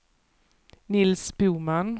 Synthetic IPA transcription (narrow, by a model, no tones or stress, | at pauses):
nɪlsbuːman